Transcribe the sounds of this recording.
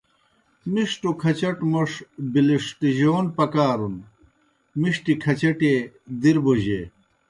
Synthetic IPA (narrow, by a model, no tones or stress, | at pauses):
miʂʈokʰɐt͡ɕɐʈmoʂbiliʂʈiʑoːnpɐkaːɾun | miʂʈikʰɐt͡ɕɐʈe | d̪iɾboʑḛː